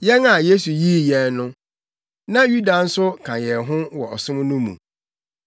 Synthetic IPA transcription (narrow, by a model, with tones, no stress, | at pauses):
jɛ˦na˨je˦su˨ji˦jɛ˨nnʊ̃˦ | nã˦ju˦da˨n̩˦sʊ˦kʰã˨jɛ˨ɦʊ̃˦wɔ˨ɔ˨sʊ̃˦m˦nʊ̃˦mṵ̃˨